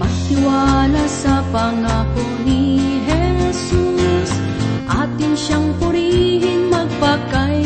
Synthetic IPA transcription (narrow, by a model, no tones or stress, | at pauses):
mɐɡ̚t̪ɪwaːlasɐpɐŋaːkʊ | niɦɛsus | ʔaːt̪ɪŋʃaŋpʊɾiɦɪnmɐɡ̚pakaj